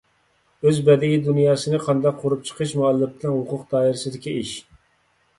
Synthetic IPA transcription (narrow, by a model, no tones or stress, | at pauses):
øzbɛd̪ɪɡʲid̪unjɑːsɨnɨqʰɑnd̪ɑq̚ʰːoɾup̚t͡ʃʰə̥qʰəʃmuɑlˠːɪp̚t̪ɪlɛnɦʊqʰʊqd̪ɑːiɾɪsɪd̪ɪkʲiiʃ